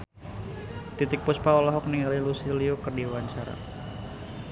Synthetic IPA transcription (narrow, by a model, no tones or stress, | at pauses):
t̪it̪ɪk̚puspaɔlaɦɔk̚niŋalilusiliokɨrdiwaɲt͡ʃaɾa̰